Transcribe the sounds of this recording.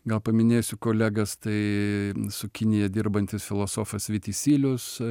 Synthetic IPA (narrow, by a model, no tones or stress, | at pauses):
ɡɐlˠpɐmʲɪnʲeːjsʲʊkoːlʲæːɡɐst̪ɐɪ | sʊkʲɪnʲɪjɛd̪ʲɪɾbɐnʲt̪ʲɪsfʲɪlˠoːsoːfɐsʋʲɪt̪ʲisʲiːlʲʊs